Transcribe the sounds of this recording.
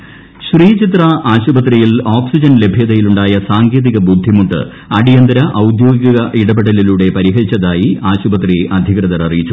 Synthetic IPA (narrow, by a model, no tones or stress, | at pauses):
ɕriːt͡ɕit̪rɐaːɕubɐt̪̬rijiloːksid͡ʑɐnle̞bʱjɐðɐjiluɳɖaːjɐsaːŋɡeːðiɣɐbud̪ʱːimut̪ːɨ̰ | ɐɽijɐnd̪ɐɾɐʔɐwd̪jo̞ːɡijɐɣɐʔiɽɐbeɽɐliluːɽe̞pɐɾiɦɐɾit͡ɕːɐðaːjiaːɕubɐt̪riʔɐd̪ʱikrɐðɐɾɐrijit͡ɕːu